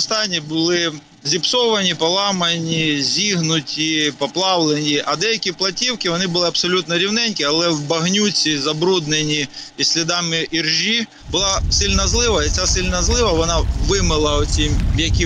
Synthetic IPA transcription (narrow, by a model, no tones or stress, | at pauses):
ɔst̪ɑnʲːibʊlˠɪ | zʲipsɔʋɐnʲipɔlˠɑmɐnʲizʲiɦnʊtʲipɔplˠɑʋlˠenʲiʔɐd̪ɛjɐkʲiplˠɐtʲiwkɪʋɔnɪbʊlˠɪɐpsɔlʲut̪nɔɾʲiwnɛnʲkʲiɐlˠɛwbɐɦnʲut͡sʲizɐbɾud̪nenʲi | isʲlʲid̪ɑmɪʔirʒi | bʊlˠɑsɪlʲnɐzlˠɪʋɐit͡sʲasɪlʲnɐzlˠɪʋɐʋɔnɑʋɪmɪlˠɐɔt͡sʲimjɐkʲi